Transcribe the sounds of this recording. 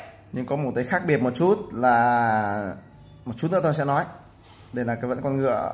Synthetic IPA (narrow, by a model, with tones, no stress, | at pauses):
ɲɨ˧ŋkɔ˨˦mo˨˩t̚ka˨˦jxaː˦˥k̚ɓi˨˩ət̚mo˨˩t̚t͡ɕu˦˥t̚laː˨˩ | mo˨˩t̚t͡ɕu˦˥t̚nɨ̰˧˥˦t̪o˧jsɛ̰˧˥nɔ˨˦j | ɗe˧˩laː˨˩kaː˨˦jvə̰˧˥nkɔ˧nŋɨ̰˧˨ə